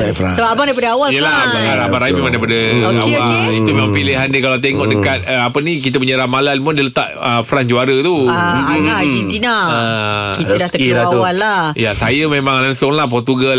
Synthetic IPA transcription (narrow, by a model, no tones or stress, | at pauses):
fasəbapabaŋdaipadəawaljəlaaaabaɾajimemaŋdajpadəawait̪umemaŋpileɦandikalat̪eŋɔʔdəkat̪̚əapənik̬it̪̬əpuɲəɾamalalmədələt̪a̰ʔəfɾand͡ʒuaɾət̪uaaad͡ʒint̪inaəkit̪ədast̪əiaawalːajasajəmemãŋlaŋsʊŋlahp̬ɔrt̪uɡa